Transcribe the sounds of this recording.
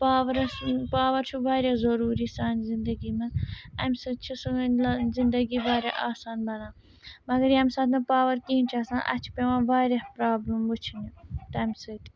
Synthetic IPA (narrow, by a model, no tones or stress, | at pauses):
paːʋɐɾpaːʋɐɾt͡ʃʰubaːɾehzɐɾuːɾiːsaːnzɪnd̪ɐɡimɐnɐmʲsɐt͡ʃʰisunzɪnd̪ɐɡibaːɾeaːsaːnbɐnãː | mɐɡɐɾjɐmʲsɐːd̪nɐpaːʋɐɾkiːnt͡ʃʰaːsãːnʔɐ̰t͡ʃʰpeʋãːbaːɾehpɾaːbləmbut͡ʃʰinit̪ɐmʲsɐt̪